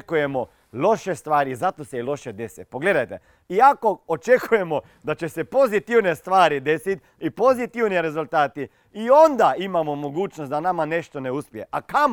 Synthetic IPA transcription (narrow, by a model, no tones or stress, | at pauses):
kuje̞mo | lo̞ʃe̞st̪ʋaːɾiizat̪o̞seilo̞ʃed̪e̞sḛpo̞ɡle̞d̪ajt̪e̞ | iako̞ot͡ʃe̞kuje̞mo̞ | d̪at͡ʃe̞se̞po̞zit̪iʋne̞st̪ʋaːɾid̪e̞sit̪ | ipo̞zit̪iʋniɾe̞zulˠt̪aːt̪i | iond̪aimamo̞mo̞ɡuːt͡ʃnost̪d̪anamane̞ʃt̪o̞ne̞uspije̞ʔakam